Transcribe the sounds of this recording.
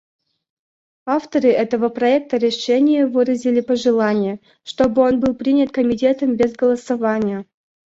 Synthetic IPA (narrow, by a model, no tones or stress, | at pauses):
aft̪əɾɨʔɛt̪əvəpɾɐɛk̚t̪əɾʲɪʂɛnʲɪjəvɨɾəzʲɪlʲɪpəʐɨlˠanʲɪjə | ʂt̪o̞bɨo̞nbɨlˠpɾʲinʲət̪kəmʲɪtʲe̞t̪əmbʲezɡəlˠəsɐvanʲɪjə